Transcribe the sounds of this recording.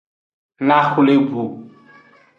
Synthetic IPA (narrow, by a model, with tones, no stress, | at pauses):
na˦xu˦le˦ɡu˨